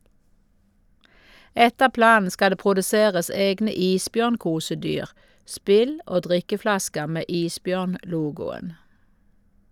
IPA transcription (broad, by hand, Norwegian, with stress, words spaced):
ˈɛtəʁ ˈplɑːn̩ ˈskɑ ˈdeː pʁʊdəˈseːʁəs ˈeːɡnə ˈiːsˌbjœʁnˌkuːsəˌdyːʁ ˈspɪl ˈoː ˈdʁɪkəˌflɑskəʁ ˈmeː ˈiːsˌbjœʁnˌluːɡʊən